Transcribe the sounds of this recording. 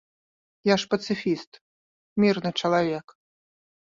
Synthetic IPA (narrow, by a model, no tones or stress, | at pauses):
jaʂpɐt̪sɨfʲist̪ | mʲirnɨt͡ʂɐlˠavʲɛk